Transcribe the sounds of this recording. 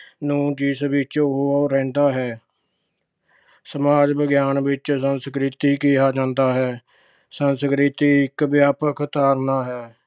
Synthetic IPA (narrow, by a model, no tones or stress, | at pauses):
nũːd͡ʒiːsbɪt͡ʃoɦoɾɛ̃ːnd̪aːɦɛː | səmaːd͡ʒbəɡjaːnbɪt͡ʃsənskɾɪt̪iːkiːaːd͡ʒãːnd̪aːɦɛː | sənskɾɪt̪iːɪkbjaːpəkʰt̪aːɾnaːɦɛː